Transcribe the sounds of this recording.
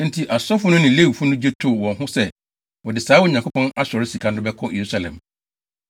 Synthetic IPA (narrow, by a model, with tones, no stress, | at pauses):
n̩˦tʰi˨ʔa˨sɔ˦fʊ˦nʊ̃˦nɪ̃˨le˦wu˨fu˦nʊ̃˦d͡ʑɛ˦tʰʊ˦wɔ̃˨nɦʊ̃˦sɛ˦ | wɔ˨dɪ˨saː˨˦wɔ˦˨ɲã˨ŋkʰo˦pʰɔ̃˦na˦sɔ˨ɾɪ˦si˨kʰã˦dʊ˦bɛ˦kʰɔ̃˦je˨ɾu˦sa˨lɛ̰̃˨m